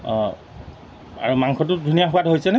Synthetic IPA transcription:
a̰ɹumaŋxɔt̬ʊdʱunijaxʊatɦojsɛnɛ

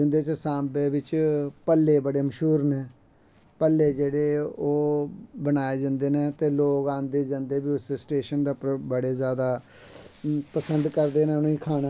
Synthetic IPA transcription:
ʊ̃nd̪eːt͡ʃsãːmbeːbɪt͡ʃpəlːeːbəɽeːməʃuːɾnẽː | pəlːeːd͡ʒeːɽeːoːbənaːeːd͡ʒãːnd̪eːneːt̪eːloːkãːnd̪eːd͡ʒãːnd̪eːbiːʊssʈeːʃənd̪aːpbəɽeːzjaːd̪aː | pəsənd̪kəɾd̪eːneːʊnːĩːkʰaːɽː

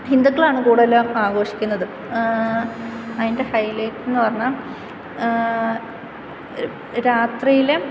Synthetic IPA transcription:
hind̪ukːɐɭaːɳɨkuːɽelːaːmaːɡo̞ːʂi̥kʲːunːɐðɨ | ɐðinde̞hɐjleːkːenːɨpɐrɐɲːam | ɾaːt̪rijile

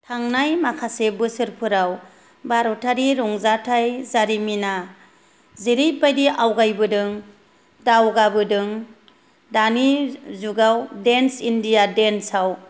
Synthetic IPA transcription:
tʰaŋnajmakʰasebɯsɯɾpʰɯɾaw | baɾɔtʰaɾiɾɔŋzatʰajzaɾimina | ziɾijbajdiawɡajbɯdɯŋ | dawɡabɯdɯŋ | danizuɡawdensindijadensaw

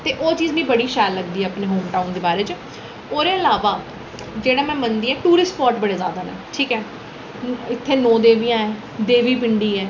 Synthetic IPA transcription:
t̪eːʔoːt͡ʃiːznĩːbəɽiːʃɛːlːəɡd̪iːɛːəpneːɦoːmʈaːund̪eːbaːɾeːt͡ʃɪ | oːɾeːəlaːʋaː | d͡ʒeːɽaːmɛ̃ːmənd̪iːɛːʈuːɾɪspɔːɾʈbəɽeːzja̰ːd̪aːnḛːʈʰiːkɛː | ɪt̪ʰːeːnɔ̃ːd̪eːʋiːãːɛː | d̪eːʋiːp̬ɪɳɖiːɛː

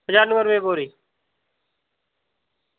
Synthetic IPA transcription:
ɦəd͡ʒaːɾnəmbəɾʋeːboːɾiː

